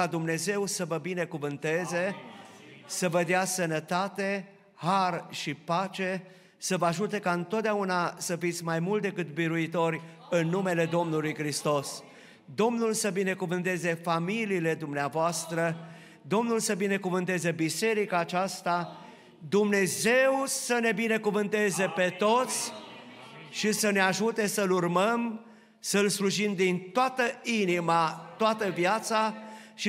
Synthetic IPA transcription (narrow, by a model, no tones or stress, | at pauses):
ad̪umne̞ze̞wsəvəbine̞kuvɨnt̪e̞ze | səvəd̪easənət̪at̪e̞ | harʃipat͡ʃe̞ | səvəaʒut̪e̞kaɨnt̪ot̪̚d̪aunasəfit̪sʲmajmult̪d̪e̞kɨt̪biɾuit̪o̞ɾʲ | ɨnːume̞le̞d̪o̞mnulujkɾist̪o̞s | d̪o̞mnulsəbine̞kuvɨnt̪e̞ze̞familiːle̞d̪umneavoast̪ɾə | d̪o̞mnulsəbine̞kuvɨnt̪e̞ze̞bise̞ɾikaːt͡ʃast̪a | d̪umne̞ze̞wsəne̞bine̞kuvɨnt̪e̞ze̞pe̞t̪o̞t̪sʲ | ʃisəneaʒut̪e̞səlurməm | səlsluʒimd̪int̪oat̪əinimat̪oat̪əvjat̪saʃi